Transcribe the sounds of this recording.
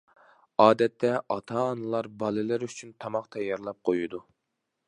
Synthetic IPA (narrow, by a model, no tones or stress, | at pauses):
ɑːd̪ɛt̪ʰːɛʔɑt̪ʰɑːnɨlˠɑɾbɑlˠɨlɪɾyt͡ʃʰynt̪ʰɑmɑχt̪ʰɛjɑɾlˠɑp̚qʰojud̪u